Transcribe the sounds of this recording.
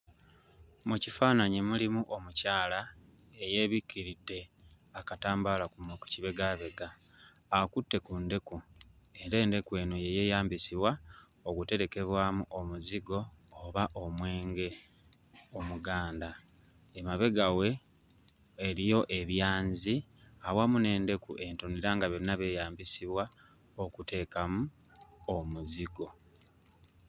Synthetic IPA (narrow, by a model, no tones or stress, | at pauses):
mucifaːnaɲemulimuʔomucaːla | eje̞βikːiɾidːe̞ | akataːmbalakunoku̥ciβe̞ɡaβe̞ɡaː | kutːe̞kunde̞ku | ende̞ːnde̞kwe̞ːnoje̞je̞ːjaːmbisiβwa | oɡute̞ɾe̞ke̞βwaːmuʔomuziɡo̞ː | βaʔomwe̞ːŋɡe̞ | omuɡaːnda | emaβe̞ɡawe̞ | eɾijo̞ʔe̞βjaːnzi | awamune̞ːnde̞kṵʔe̞ntoniɾaːŋɡaβeɾinaβe̞jaːmbisiβwa | okute̞ːkamu | omuziɡo̞